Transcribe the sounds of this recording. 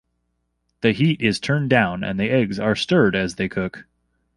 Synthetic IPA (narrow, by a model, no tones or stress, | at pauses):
ðɨhiɾɪz̥tʰɜ̃˞ndãʊ̃nɨ̰̃nðiʔɛɡzə˞stɜ˞ɾɨzðeɪkʰʊk